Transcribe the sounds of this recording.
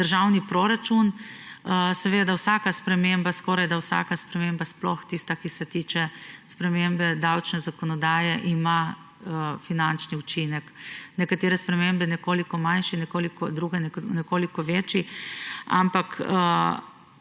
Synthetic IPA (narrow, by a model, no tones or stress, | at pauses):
d̪əɾʒawnipɾoɾat͡ʃun | sɛʋed̪awsaːkaspɾɛmembaskɔːɾajd̪awsa̰kaspɾɛmembasplɔxt̪ist̪akisɛt̪iːt͡ʃɛspɾɛmembɛd̪awt͡ʃnɛzakɔnɔd̪aːjɛʔima | finant͡ʃniut͡ʃinɛknɛkat̪eːɾɛspɾɛmembɛnɛkoːlikɔmanʃinɛkoːlikɔd̪ɾuɡɛnɛnɛkoːlikɔʋet͡ʃi | a̰mpakə